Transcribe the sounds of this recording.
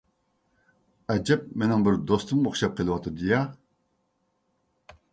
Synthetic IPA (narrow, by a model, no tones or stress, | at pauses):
ɛd͡ʒɛp̚menɪŋbɪɾd̪ost̪ʰumoχʃɑp̚qʰəlˠɨwɑt̪ʰɨd̪ɨjɑ